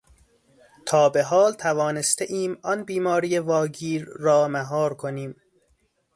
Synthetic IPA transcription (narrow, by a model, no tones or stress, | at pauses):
t̪ʰɒːbe̞ɦɒːlt̪ʰævɒːne̞st̪eʔiːmɒnbiːmɒːɾijevɒːɟiːɾːɒːmæɦɒːɾkʰoniːm